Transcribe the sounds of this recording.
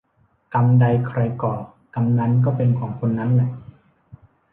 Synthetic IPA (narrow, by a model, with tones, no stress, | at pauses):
ka˧mda˧jkʰɾa˧jkɔː˨˩ | ka˧mna˦˥nk̬ɔː˥˩pe˧nkʰɔː˩˦ŋkʰo˧nːa˦˥nlɛ˨˩ʔ